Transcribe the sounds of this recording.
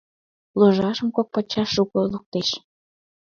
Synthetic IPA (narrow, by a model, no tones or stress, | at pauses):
loʒɑʃə̆mkok̚pɑt͡ɕːɑʃːukoluk̚t̪eʃ